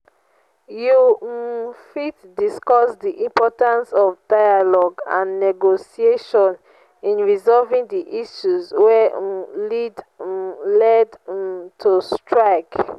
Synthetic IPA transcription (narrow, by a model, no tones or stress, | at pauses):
ju | fitdiskɔsdiʔĩmpɔtãnsɔvdaɪalɔɡã̰nnɛɡosieʃɔ̃n | ĩnɹizɔlvĩŋdiʔiʃuzwɛlid | lɛdtʰustʰɹaɪk